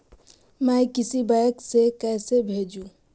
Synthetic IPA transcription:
mɛkɪsibajəksekɛːsebʱeːd͡ʒũ

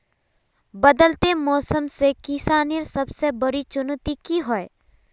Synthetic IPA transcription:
bəd̪əlt̪emɔːsəmsekɪsaːniɾsɐbsebəɾit͡ʃʊnt̪ikiɦoe

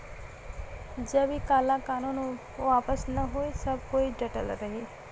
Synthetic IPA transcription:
d͡ʒəbikalãkanun | ʋapəsnəɦojsəb̚ʱkoid͡ʒəʈəlɾəɦi

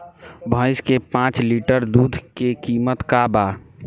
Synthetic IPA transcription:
bʱə̃ɪskepãːt͡ʃliːʈəɾd̪uːd̪ʱkekiːmət̪kaba

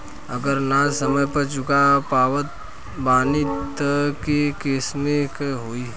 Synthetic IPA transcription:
ə̰ɡəɾnasəməjpəɾt͡ʃʊkapaːʋət̪̚ | baːnit̪kekeːsmekeɦoːiɦ

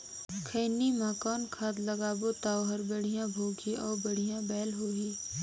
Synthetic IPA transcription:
kʰəːnimãkɔːnkʰaːd̪ləɡaːbot̪aːoɦɐɾbəɽ̤ijãbʱoːɡiɔːɾbəɽ̤ijãbɛːlɦoːiː

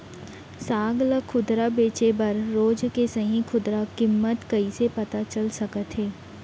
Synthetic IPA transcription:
saːɡləkʰʊd̪ɾabeːt͡ʃebɐɾːoːd͡ʒkesɐɦĩkʰʊd̪ɾakɪmːət̪kɐisepɐt̪at͡ʃɐlsɐkət̪ɦeː

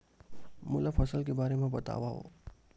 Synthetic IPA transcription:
mʊlapʰəsəlkebaːɾemãbət̪a̰ʋaɦo̰

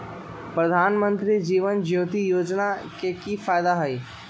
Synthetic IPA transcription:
pɾəd̪ʱaːnmə̃nt̪ɾid͡ʒiːʋənd͡ʒjoːt̪ijoːd͡ʒnakekifaːjd̪aɦɐiː

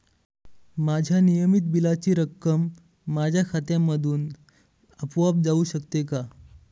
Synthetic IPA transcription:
mad͡ʑʱjanijəmit̪̚bilat͡ɕiːɾəkːəmː | ad͡ʑʱjakʰat̪jãmːəd̪ʱuːn | əpʋap̚d͡zauːɕəkt̪eka

